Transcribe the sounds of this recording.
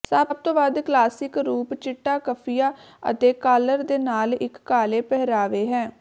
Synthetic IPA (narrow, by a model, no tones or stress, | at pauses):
səbb̚t̪oːbaːd̪klaːsɪkɾuːpt͡ʃɪʈːaːkəpʰijaː | ə̰t̪eːkaːləɾd̪eːnaːlɪkːaːleːpɛɦɾaːʋeːɦɛ̃ː